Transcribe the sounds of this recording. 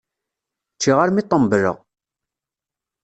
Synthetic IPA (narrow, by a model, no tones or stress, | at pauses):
t͡ʃːiʁaɾmit̪ˤːəmbəɾə̰ʁ